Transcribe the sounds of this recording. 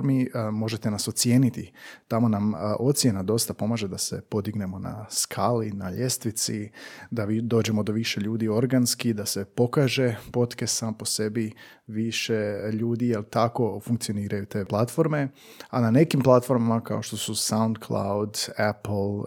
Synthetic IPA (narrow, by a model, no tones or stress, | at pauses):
ɾmimo̞ʒe̞t̪e̞naso̞t̪sje̞ːnit̪it̪amo̞namʔo̞t̪sje̞nad̪o̞st̪apo̞maːʒed̪ase̞po̞d̪iɡne̞mo̞na̰skʰaːlinaʎe̞st̪ʋit̪sid̪aid̪o̞ːd͡ʑe̞mo̞d̪o̞ʋiʃe̞ʎuːd̪io̞ɾɡanskid̪ase̞po̞kaːʒe̞po̞t̪ke̞saːmpo̞se̞bi | ʋiʃe̞ʎuːd̪ijelt̪ako̞fuŋkt̪sio̞niːɾajut̪e̞ːplˠat̪fo̞ɾme̞ | anane̞kimplˠat̪fo̞ɾmamaka̰o̞ʃt̪o̞susawnd̪kʰlˠa̰wd̪aplˠ